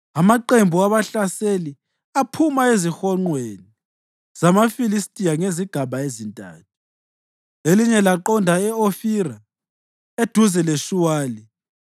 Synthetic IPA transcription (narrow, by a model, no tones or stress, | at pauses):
amaǃembʱuaβaɬaseli | apʰumaezixɔŋ͡ǃweni | z̥amafilistʼijaŋeziɡ̥ʱaβaezintʼa̰ːtʰu̥ | eliɲɛlaǃɔndʱaɛofiɾa | ed̥ʱuzɛleʃuwaːli